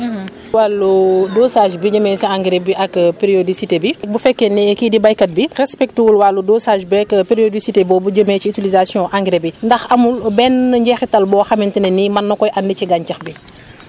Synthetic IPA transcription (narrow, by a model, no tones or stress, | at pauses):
walːudoːsaʒbiɟəmɛsiaŋɡɾebiʔɐkpeɾiodisitebik̚bufɛkːɛnɛɛkidibajkɐt̚birɛspɛk̚tuwulwalːudosaʒbɛkpeɾiodisitebɔːbuɟəmɛːciːtilizasjɔ̃ʔaŋɡɾebindɐxɐmulbɛnɲɟɛxitɐlbɔːxɐmintinɛnimɐnːɐkɔjʔɐndiciɡaɲcɐxbi